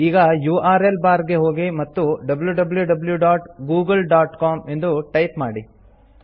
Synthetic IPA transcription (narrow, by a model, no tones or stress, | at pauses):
iːɡɐjuːʔaːɾelbaːɾɡe̞ɦo̞ːɡimɐt̪ːuɖɐbɐljuɖɐbljuɖɐbljuɖaːʈɡuːɡɐlɖaːʈkaːmend̪uʈɐjpmaːɽi